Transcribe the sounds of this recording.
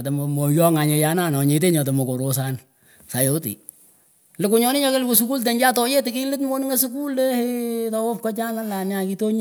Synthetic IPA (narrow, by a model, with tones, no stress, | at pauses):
to˨mɔmo˨jɔ˦ŋa˨ɲe˨ja˦na˦˨nɔ˨ɲe˨t̬e˦ɲɔ˨t̬o˨mo˨ko˨ɾo˦sa˦n | sa˨jo˦tḭ˨ | lɪ˨kʊ˨ɲɔ˦nɪ˦ɲɔ˦ke˦lku˨su˦ku˦lt̬e˨ɲd͡ʒa˦tɔ˦je˦tɪ˨ki˦lɪ˦tmo˦n˦ŋe˦su˦ku˦le˦hetɔ˨wo˦p̚kɔ˦t͡ʃa˦na˦la˨na˨ki˦to˦ɲ˦